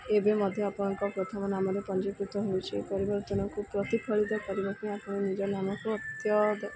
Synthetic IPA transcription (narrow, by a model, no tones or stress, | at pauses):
ebemɔd̪ʱjɔapɔɽ̃ɔŋkɔpɾot̪ʰɔmɔnamɔɾepɔnd͡ʒikɾit̪ɔɦojt͡ʃʰiḛpɔɾibɔɾt̪ɔñɔŋkupɾɔt̪ikʰɔɭid̪ɔkɔɾibɔkĩapɔɽ̃ɔnid͡ʒɔnamɔkuɔt̪jɔd̪ɔ